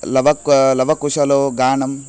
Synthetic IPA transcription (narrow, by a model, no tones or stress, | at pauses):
lɐʋɐklɐʋɐkuʃɐloɡaːɳɐm